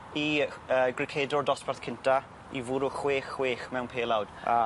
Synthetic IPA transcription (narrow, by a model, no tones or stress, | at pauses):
iəːɡrɪkʰeːdɔdɔsparθkʰɪntʰa | ḭvʊːɾʊχweːχweːχmɛwnpʰeːlˠawd̥a